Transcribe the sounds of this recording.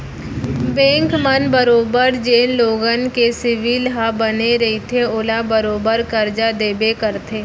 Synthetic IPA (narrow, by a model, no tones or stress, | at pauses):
bẽːŋkmənbəɾoːbəɾd͡ʒeːnloːɡənkesɪʋiːlɦabəneɾɐit̪ʰeʊlabəɾoːbəɾkəɾd͡ʒad̪eːbekəɾt̪ʰeː